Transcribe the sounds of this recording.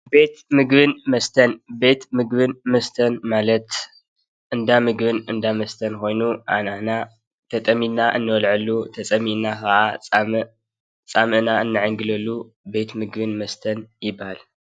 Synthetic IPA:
be̞t̪mɨɡβɨnmɐst̪ʰɐnbe̞t̪mɨɡβɨnmɐst̪ʰɐnmalɐt̪ | ʔɨnd̪amɨɡβɨnɨnd̪amɐst̪ʰɐnko̞jnuʔa̰naħna | t̪ʰɐt̪ʼɐminaʔɨ̰nːɨwɐlʕɨlːut̪ʰɐt͡sʼɐminakʰaʔa | t͡sʼamɨʔnaɨnːɨʕɨŋɡɨlɐlːu | be̞t̪mɨɡβɨnmɐst̪ʰɐnjɪbahal

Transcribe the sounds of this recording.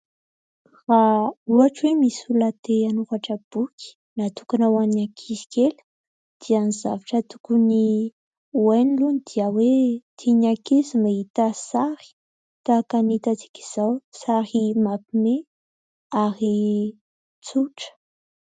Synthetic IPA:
rauaʈ͡ʂwemisulat̪eanuvaʈ͡ʂəb̥ukʰʲi̥ | nat̪ukanawannakʰizi̥kʲelə̥ | d̪̥ianiza̰vaʈ͡ʂət̪ukuni | wajnilunid̪̥iawet̪ʰiɲakizimait̪asaɾi̥ | t̪akanit̪at͡si̥kʲi̥z̥awsaɾimapime | aɾi | t͡suʈ͡ʂə̥

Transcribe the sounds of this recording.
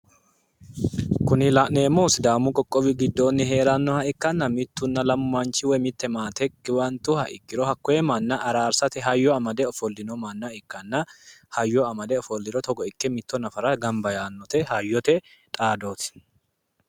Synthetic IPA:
kʊnɪlaʔne̞ːmoːsɪd̪aːmʊkʼɔkʼːɔwɪɡɪd̪ːoːnːɪɦe̞ːɾɐnːɔhɐɪkːɐnːɐmɪt̪ːʊnːɐlɐmʊɐnt͡ʃːɪwɛmɪt̪ːɛmaːt̪ɛkːɪwɐnt̪ʊhɐʔɪkːɪɾɔhɐkːɔɛmɐnːɐʔɐɾaːɾsɐt̪ɛɦɐjːɔɐmɐd̪ɛɔfɔlːɪnɔmɐnːɐɪkːɐnːɐhɐjːɔɐmɐd̪ɛɔfɔlːɪɾɔt̪ɔɡɔɪkːɛmɪt̪ːɔnɐfɐɾɐɡɐmbɐjaːnːɔt̪ɛhɐjːɔt̪ɛ | t̪ʼaːd̪oːt̪ɪ̥

